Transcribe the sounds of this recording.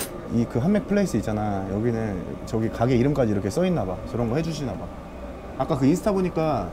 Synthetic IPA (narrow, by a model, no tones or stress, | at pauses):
ikɯɦanme̞k̚pʰɯɭːe̞is͈ɯit͡ɕ͈anajʌɡinɯnt͡ɕʌɡikaɡe̞iɾɯmk͈ad͡ʑiːɾʌkʰe̞s͈ʌinːabakɯɾʌnɡʌhed͡ʑuɕʰinaba | ak͈akɯinsʰɯ̥tʰaboɲik͈a